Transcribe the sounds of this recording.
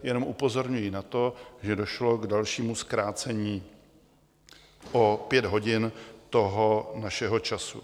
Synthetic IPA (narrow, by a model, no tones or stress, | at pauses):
jɛno̞mʔupo̞zo̞ɾɲujinat̪o̞ʒɛdo̞ʃlo̞ɡdalʃiːmuskɾaːt͡sɛɲiː | ʔopjɛd̪ɦo̞ɟɪnt̪o̞ɦo̞naʃɛɦo̞t͡ʃasṵ